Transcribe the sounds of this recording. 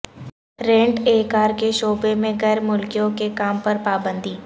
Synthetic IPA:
ɾẽːɳʈeːkaːɾkeʃoːbemẽɣɛːɾmʊlkijõkekaːmpɐɾpaːbə̃nd̪iː

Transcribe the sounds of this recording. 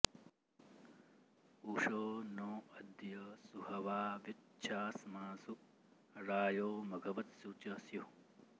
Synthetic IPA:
uːʂoːnoːɐd̪jɐsuhɐʋaːʋit͡ʃʰaːsɐmaːsuk | ɾaːjoːmɐɡʱɐʋɐt̪sut͡ʃɐsju

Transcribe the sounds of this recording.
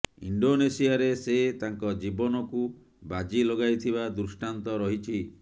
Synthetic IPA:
ḭɳɖonesijaɾeset̪aŋkɔd͡ʒibɔnɔku | bad͡ʒiloɡajt̪ʰiβad̪usʈant̪ɔɾɔɦit͡ʃʰi

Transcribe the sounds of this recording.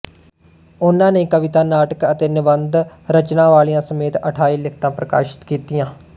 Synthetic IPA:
ʊnãːneːkəʋɪt̪aːnaːʈəkət̪eːnɪʋənd̪ɾət͡ʃnãːʋaːlijãːsəmeːt̪əʈʰaːiːlɪk̚ʰt̪ãːpɾəka̰ːʃɪ̥t̪kiːt̪ɪjãː

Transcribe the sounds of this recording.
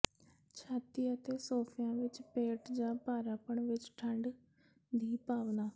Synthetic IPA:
t͡ʃʰaːt̪iːət̪eːsoːpʰɪjãːʋɪt͡ʃpeːʈd͡ʒãːpaːɾaːpəɳʋɪt͡ʃʈʰəɳɖ | d̪iːpaːʋnaː

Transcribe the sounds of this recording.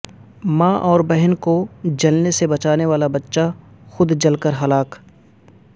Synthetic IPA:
mãːʔɔːɾbɛɦnkod͡ʒɐlnesebɐt͡ʃaːneʋaːlabɐtːʃa | xʊd̪d͡ʒɐlkəɾɦɐlaːk

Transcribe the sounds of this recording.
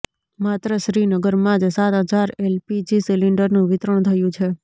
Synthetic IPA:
mat̪ɾəʃɾinəɡəɾmãd͡ʒsat̪ɦəd͡ʒaɾelpid͡ʒisiliɳɖəɾnũʋɪt̪ɾəɳ̃t̪ʰəjũt͡ʃʰe

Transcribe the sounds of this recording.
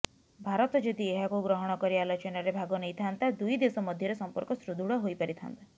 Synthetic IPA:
bʱaɾɔt̪ɔd͡ʒod̪ieɦakuɡɾɔɦɔɽ̃ɔkɔɾialɔt͡ʃɔnaɾebʱaɡɔnejt̪ʰant̪ad̪ujd̪esɔmɔd̪ʱjɔɾesɔmpɔɾkɔsɾud̪ʱuɽɔɦojpaɾit̪ʰa̰nt̪ḁ

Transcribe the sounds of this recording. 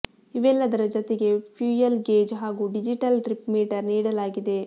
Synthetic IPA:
iʋɛlːɐd̪ɐɾɐd͡ʒot̪eɡe̞pʰjuːjɐlɡeːd͡ʒɦaːɡuːɖid͡ʒiʈɐlʈɾipmiːʈɐɾniːɽɐlaːɡid̪e̞

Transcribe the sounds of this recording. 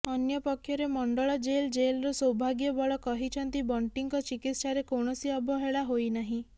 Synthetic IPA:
ɔnjɔpɔkʰːjɔɾemɔɳɖɔɭɔd͡ʒeld͡ʒelɾɔsɔwbʱaɡjɔbɔɭɔkɔɦit͡ʃʰɔnt̪ibɔɳʈiŋkɔt͡ʃikit̪ʃaɾekoɳ̃ɔsiɔbʱɔɦeɭaɦojnaɦĩ

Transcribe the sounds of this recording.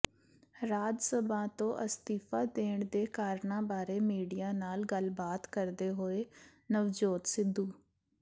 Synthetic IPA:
ɾaːd͡ʒsəbãːt̪õːʔəst̪iːfaːd̪eːɳd̪eːkaːɾɳãːbaːɾeːmiːɖijaːnaːlɡəlbaːt̪kəɾd̪eːɦoːeːnəʋd͡ʒoːt̪sɪd̪ːuː

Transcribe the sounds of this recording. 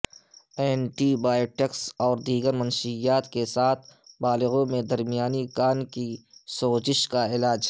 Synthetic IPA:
ɛːnʈibaːjoʈeksɔːɾd̪iːɡəɾmɐnʃijaːt̪kesaːt̪ʰbaːlɪɣõmẽd̪ɐɾmijaːnikaːnkisoːzɪʃkaɪlaːd͡ʒ

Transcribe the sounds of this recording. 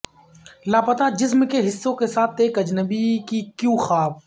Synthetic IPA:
laːpɐt̪ad͡ʒɪsmkeɦɪsːõkesaːt̪ʰeːkɐd͡ʒnəbikikjũːxaːb

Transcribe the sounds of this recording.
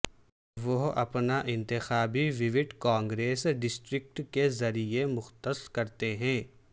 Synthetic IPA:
ʋoɦɐ̰pnaʔɪ̃nt̪ɪxaːbiʋɪʋɪʈkãːŋɡɾeːsɖɪsʈɾɪk̚ʈkezɐɾiemʊxt̪əskɐɾt̪eɦɛ̃ː

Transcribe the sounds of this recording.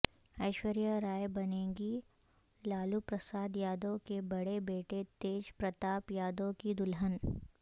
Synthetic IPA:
ɐɪʃwəɾjəɾaːjbɐnẽːɡi | laːlupɾəsaːd̪jaːd̪õkebɐɽebeːʈet̪eːd͡ʒpɾɐt̪aːpjaːd̪õkid̪ʊlɦən

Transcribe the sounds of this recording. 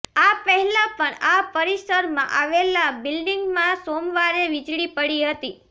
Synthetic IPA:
apəɦɛlãpəɳapəɾisəɾmã̰ʔaʋelabɪlɖiŋɡmãsomʋaɾeʋid͡ʒɽipəɽiɦət̪i

